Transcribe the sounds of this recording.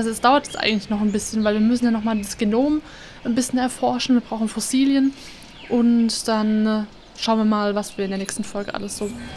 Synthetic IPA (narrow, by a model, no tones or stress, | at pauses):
ʔalzoɛsd̥aʊɐtjɛsʔa̰ɪɡŋ̩tlɪçnɔχanbɪsçənvaɪlviːɐmʏsn̩jaːnɔχmaːldasɡ̥enoːm | anbɪsçənɛɐfɔɐʃn̩viːɐb̥ʁaʊxn̩fɔsiːljən | ʔʊntd̥an | ʃaʊnviːɐmaːlvasv̥iːɐɪndeːɐnɛːçstn̩fɔlɡə̰ʔa̰ləsz̥oː